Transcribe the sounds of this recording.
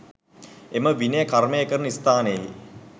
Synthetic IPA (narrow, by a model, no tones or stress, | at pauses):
eməʋinəjəkarmejəkəɾnəist̪aːnəjəi